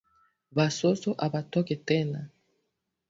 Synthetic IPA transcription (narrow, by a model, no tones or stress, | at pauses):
basosoʔabatɔkɛtɛna